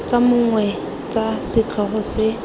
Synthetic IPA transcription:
t͡samʊŋwɛ | t͡sasɪt͡ɬʰɔχʊsɪ

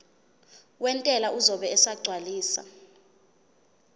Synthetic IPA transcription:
wɛntʼɛlauzɔɓɛɛsaɡ͡ǀʱwaliːsa̰

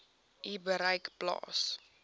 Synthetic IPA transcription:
ibəɾəjkplɑ̰ːs

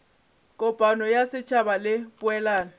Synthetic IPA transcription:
kʼɔpʼanɔjasɪt͡ʃʰʼabalɪpʼʊɛlaːna

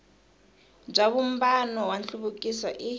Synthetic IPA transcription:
b͡ʐaβum̩banɔwanɬuβukʼiswaʔi

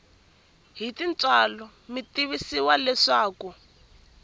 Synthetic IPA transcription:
ɦitint͡sʼalɔ | mitiβisiwalɛʂaːku

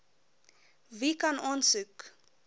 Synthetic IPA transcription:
vikɐnɑːnsʉk

